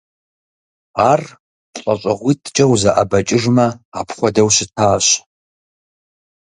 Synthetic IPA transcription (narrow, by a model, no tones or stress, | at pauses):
aːr | ɕʼɐɕʼɐʁʷiːtʰt͡ʃʼɐwzɐʔɐbɐt͡ʃʼɪʐmɐaːpʰχʷɔdɐwɕɪtʰaːɕ